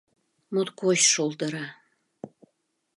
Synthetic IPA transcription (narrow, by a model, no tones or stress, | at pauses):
mot̪koɕʃolt̪əɾɑ